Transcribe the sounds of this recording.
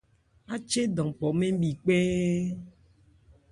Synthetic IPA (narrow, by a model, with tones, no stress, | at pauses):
a˦t͡ʃe˦ɖɔ̃˨k͡pɔ˨mẽ˦bi˨k͡pe˦